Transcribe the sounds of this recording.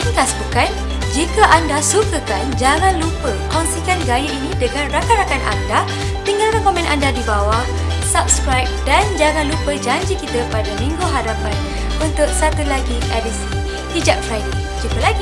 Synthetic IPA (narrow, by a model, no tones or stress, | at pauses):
inĩkasbukan | d͡ʒikaʔandasukəkand͡ʒaŋãnlupəkɔnsikanɡajuʔinĩdəŋãnrakanɾakanʔa̰nda | t̪iŋalkankɔmɛ̃nʔa̰ndadibawa | sap̚skɾajp̚dand͡ʒaŋãnlupəd͡ʒaɲd͡ʒikit̪əpadamĩŋɡuɦadapan | bənt̪ʊʔ̚sat̪ulaɡiʔɛdisən | hid͡ʒak̚fɾajdi | d͡ʒupəlaɡi